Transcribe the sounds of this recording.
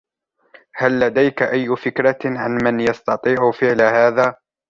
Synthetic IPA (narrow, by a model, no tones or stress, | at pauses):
halːad̪ajkaʔajːʊfɪkɾaʕanmanjɑst̪ɑt̪ˤiːʕʊfɪʕlahaːðaː